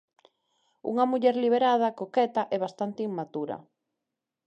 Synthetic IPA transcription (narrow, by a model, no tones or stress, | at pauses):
ṵŋɐmuʎɛɾliβeɾað̞ɐkokɛt̪ɐʔɛβast̪ant̪ɪiŋmat̪uɾɐ̰